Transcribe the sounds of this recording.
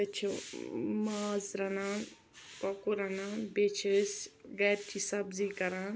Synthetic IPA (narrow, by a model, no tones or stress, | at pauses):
ɐt͡ʃʰ | maːzɾɐnaːn | pɔkuɾɐnaːnbet͡ʃʰesɡɛːɾ̚t͡ʃisɐbzikɐɾan